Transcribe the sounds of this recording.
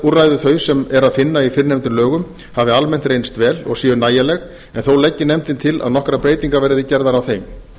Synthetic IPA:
urajðʏθœɥsɛmɛɾaðfɪnːaifɪɾnejmt̪ɪlœːɣʏm | havɪalmɛn̥t̪rejnst̪vɛːlɔ̰ɣsiːʏnaːjalɛɣ | ɛnθowlɛcːɪnɛmt̪ɪnt̪ʰɪla̰ðnɔhkɾapɾeːjt̪iŋkavɛːɾɪðɪcɛɾðaɾawθejm

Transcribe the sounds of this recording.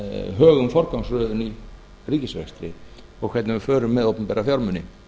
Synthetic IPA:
ɦœːɣʏmfɔɾkawnsɾœːðʏni | riːcɪsvɛ̰xst̪ɾɪ̰ | ɔɣkʰvɛt̪nɪvʏfœːɾʏmːɛðowpnpɛːɾafjawɾmʏnːɪ

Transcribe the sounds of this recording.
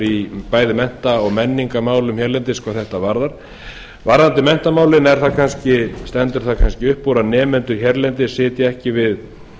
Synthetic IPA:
ɾipaːjðɪmɛn̥t̪aɔɣmɛnːiŋkamaːwlʏmhɛɾlɛnt̪ɪskvaθɛht̪avaɾðaɾ̥ | vaɾðant̪ɪmɛn̥t̪amaːwlɪnɛɾ̥θakʰanscɪst̪ɛnt̪ʏɾ̥θakʰanscɪʏhpːoɾanɛːmɛnt̪ʏɾçɛɾlɛnt̪ɪsɪːt̪jɪɛhcɪvɪð

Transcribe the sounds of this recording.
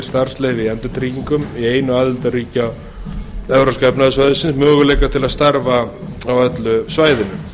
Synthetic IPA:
ɾ̥st̪aɾ̥sleːjvɪiɛnt̪ʏt̪ʰɾiːciŋkʏmieːjnʏaːðɪlt̪ariːcaw | ɛvɾaskɛpnaðʏsvaːjðɪsɪnsmœːɣʏleːjkat̪ʰɪlaðst̪aɾvaawɛt̪lʏsvaːjðɪnʏm

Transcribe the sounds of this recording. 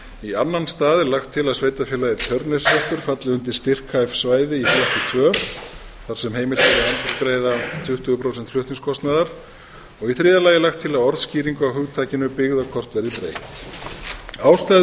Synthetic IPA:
ianːanst̪aːðɪlaxt̪ʰːɪlaðsveːjt̪afɪlaðɪt̪ʰœɾt̪neslœht̪ʏɾ̥fat̪lɪʏnt̪̬ɪ̥st̪ɪr̥kʰajfsvaːjðɪifiɛt̪ɪt̪ʰvœː | θaɾ̥sɛmɦejmɪl̥t̪aaant̪ɪlkɾeːjðat̪ʰʏht̪ʏɣʏpʰɾowsɛnt̪flʏht̪niŋskʰɔst̪naðaɾ̥ | ɔɣiθɾɪːðalaːjɪlaxt̪ʰːɪlaðɔɾðsciːɾiŋkʏawɦʏɣt̪ʰaːcɪnʏpɪɣðakʰɔr̥t̪vɛɾðɪt̪ɾejht̪ | aːwst̪a

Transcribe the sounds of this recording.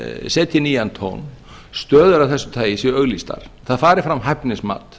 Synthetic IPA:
sɛːt̪ʰjɪniːant̪ʰo̰wn | st̪œːðʏɾavθɛsːʏ̥t̪ʰaːjɪsɛœɣlist̪a̰ɾ̥θaðfaːɾɪɾfɾamɦɛhpnɪsma̰ːt̪

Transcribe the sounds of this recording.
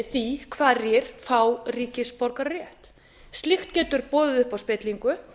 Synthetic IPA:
θikʰvaːðrjɛɾ̥fawriːcɪspɔɾkaɾrjɛht̪ | st̪lɪxt̪cɛːt̪ʏɾpɔːðɪʏhpawspɛːt̪liŋkʏ

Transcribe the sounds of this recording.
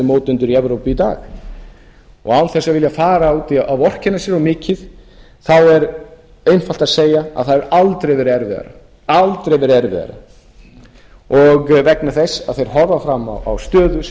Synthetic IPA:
ɪmoːwt̪ʏnt̪ʏɾiɛvɾowpɪit̪a̰ːx | ɔ̰ɣawnθɛsːavɪljafaːɾaawt̪iʔawɔr̥cɪnːasjɛɾɔmɪːcɪθ | θawɛɾ | ejnfal̥t̪aðseːjaa̰ðθaðɛɾalt̪ɾejvɛɾɛɾvɪða̰ɾa̰ | alt̪ɾejvɛɾɛɾvɪ̰ða̰ɾa̰ | ɔɣvɛknaθɛsaðθejɾ̥ɦɔɾvafɾamːa̰wa̰wst̪œːðʏs

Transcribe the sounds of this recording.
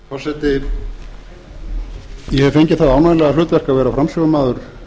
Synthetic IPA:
kʰasɛt̪ɪ | jɛhɛfejɲcɪθaðaːwnajlɛɣalʏːt̪vɛr̥kavɛːɾafɾamsɛɣʏmaːðʏɾ̥

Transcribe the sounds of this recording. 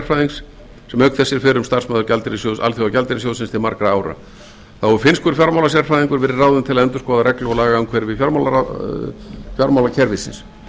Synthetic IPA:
r̥fajðiŋks | sɛmœɥkt̪θɛsjɛɾ̥fɪɾʏmst̪ar̥smaːðʏɾcalt̪ɪɾɪsjowða̰lθjowðacalt̪ɪɾɪs̬jowsɪnst̪ʰɪlmaɾkɾaaːwɾa̰ | θawvɔɾʏfɪnskvʏɾfjaɾmawlas̬jɛr̥fajðiŋkʏɾvɛːɾɪraːwðʏnt̪ʰɪlaðɛnt̪ʏ̥skɔːðaɾɛklʏɣɔlaːɣaʏnkʰvɛɾvɪfjaɾmawlaa | fjaɾmawlacʰɛɾvɪsɪ̰ns

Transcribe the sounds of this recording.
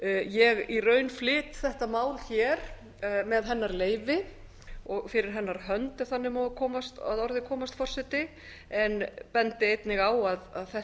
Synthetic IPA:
jɛɣirœːɥnflɪːt̪θɛht̪amaːwlçɛːɾ̥ | mɛðɦɛnːaɾleːjvɪ | ɔɣfɪɾɪɾ̥ɦɛnːaɾ̥ɦœnt̪ɪ̥θanːɪmɔkʰɔːmast̪a̰ðɔɾðɪkʰɔːmast̪fɔr̥sɛt̪ɪ | ɛnpɛnt̪ɪejt̪nɪɣaːwaðaðθɛh

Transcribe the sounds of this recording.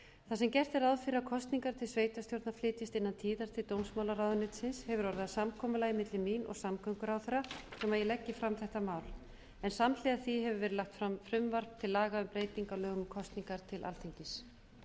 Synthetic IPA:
θasɛmcɛr̥t̪ɛɾaðfɪɾakʰɔst̪niŋkaɾ̥t̪ʰɪlsveːjt̪ast̪jowɾt̪naflɪːt̪ɪst̪ɪnːant̪ʰiːðaɾ̥t̪ʰɪlt̪owmsmaːwlaɾaːwðʏnɪt̪sɪnshɛvʏɾɔɾðɪasamkʰɔːmʏlaɣɪmɪt̪lɪminʔɔ̰ɣsamkʰœŋkʏɾawθɛɾasɛmaɾjɛlɛcːɪfɾamθɛht̪amaːwl | ɛnsaml̥ɛaθiɦɛvʏɾvɛɾɪlaxt̪fɾamfɾʏmvar̥pt̪ʰɪlːaːɣaʏmpɾeːjt̪iŋkalœːɣʏmkʰɔst̪niŋkaɾ̥t̪ʰɪlʔa̰ltθʰeɲcɪs

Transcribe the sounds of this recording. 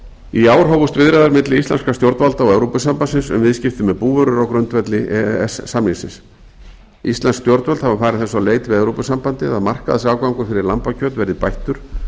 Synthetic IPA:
iaːwɾ̥ɦowvʏst̪vɪðɾɛðaɾmɪt̪lɪist̪a̰nskast̪jowɾt̪valt̪aɔɛvɾopʏsampansɪnsʏ̰mvɪðscɪft̪ʏmɛðpuːvœɾʏɾawkɾʏnt̪vɛt̪lɪʔɛsːamisɪ̰ns | ist̪anskst̪jɔwɾt̪valt̪havafaːɾɪðθɛs̬aleːjt̪vɪðɛvɾowpʏsampant̪ɪaðmar̥kaðasaːwkvawŋkʏfɪɾɪɾlampacʰœːt̪vɛɾðɪpajht̪ʏɾ̥

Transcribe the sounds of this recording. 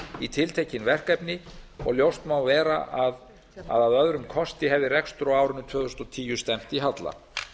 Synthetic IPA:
it̪ʰɪlt̪ʰejcɪnvɛr̥kɛpnɪɔ̰ɣljowst̪mawvɛːɾa̰ʔað | a̰ðaðœðɾʏmkʰɔst̪ɪɦɛvðɪrɛkst̪ɾɔaːwɾʏnːʏt̪ʰv̥œːðʏst̪ɔt̪ʰiːjʏst̪ɛm̥t̪iɦat̪la̰

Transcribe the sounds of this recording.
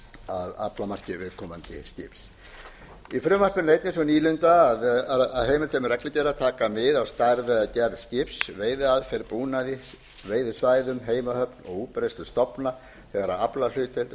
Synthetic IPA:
aða̰plamar̥cɪvɪðkʰɔːmant̪ɪ̰st̪ɪ̰ps | ifɾʏmvar̥pʏnejt̪nɪns̬ɔniːlʏnt̪aːðaaðɦeːjmɪlt̪ʰemʏrɛklɪcɛːɾaðt̪ʰaːkamɪðawst̪aɾðɛacɛɾðst̪ɪpsveːjðɪaðfɪɾpuːnaðɪs | veːjðʏsvaːjðʏmɦeːjmahœpnɔ̰ɣuːpɾest̪ʏst̪ɔpna | θɛɣaɾaaplal̥ʏːt̪ʰɪlt̪

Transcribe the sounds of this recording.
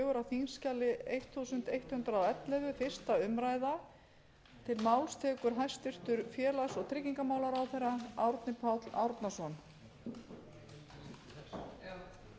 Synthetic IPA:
ɣʏɾawθinscalɪejht̪θusʏn̥t̪ejht̪hʏnt̪ɾaawɛt̪lœvʏfɪr̥st̪aʏmɾajða | t̪ʰɪlmaːwlst̪ʰɛːkʏɾɦajst̪ʏr̥t̪ʏɾfjɛːlasɔɣt̪ʰɾɪcːiŋkamaːwlaɾawθejɾːaawɾt̪nɪpʰawt̪la̰wɾt̪nasɔn

